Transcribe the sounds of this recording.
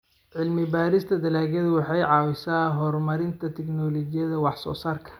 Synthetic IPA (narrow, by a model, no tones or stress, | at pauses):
ʕɪlmɪbaːɾɪst̪ʰɐd̪ɐlaːɣɐðʊwɑħɑjʕɑːwɪsaːɦɔrmɐɾɪnt̪ʰɐt̪ʰɛknɔːlɔɡɪjɐðɐwɑħsɔ̰ːsaːrkʰɐ̥